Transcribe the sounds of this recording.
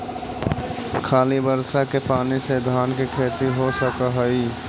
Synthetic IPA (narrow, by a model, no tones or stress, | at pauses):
kʰaːlibəɾsakepaːnised̪ʱaːnkekʰeːt̪iɦosəkaɦəi